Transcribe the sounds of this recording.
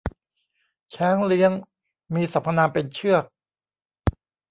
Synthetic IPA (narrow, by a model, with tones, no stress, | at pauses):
t͡ɕʰɛː˦˥ŋli˦˥əŋ | miː˧sa˨˩˦mpʰa˧naː˧pe˧nt͡ɕʰɯ˥˩ək̚